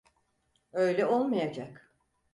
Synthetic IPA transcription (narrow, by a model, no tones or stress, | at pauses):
ø̞jlʲɛo̞lˠmajad͡ʒak